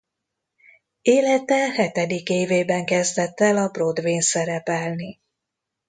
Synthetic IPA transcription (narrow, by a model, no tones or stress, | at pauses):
eːlɛt̪ɛlhɛt̪ɛd̪ikeːveːbɛŋkɛzd̪ɛt̪ːɛlɒbrod̪ʋeːnsɛɾɛpɛlni